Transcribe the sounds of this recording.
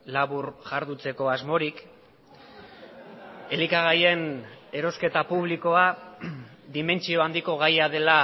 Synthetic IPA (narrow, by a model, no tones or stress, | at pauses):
laβuɾʝaɾðut͡se̞ko̞azmo̞ɾik | e̞likaɣ̞aje̞ne̞ɾo̞ske̞t̪apuβliko̞a | ðime̞nt͡sio̞and̪iko̞ɣajaðe̞la